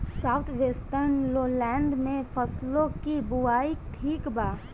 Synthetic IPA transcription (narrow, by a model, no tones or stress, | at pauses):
saːʊt̪ʰʋeːsʈəɾnloːlɛ̃ːnd̪mẽpʰəslõkibʊaːiʈʰiːkbaː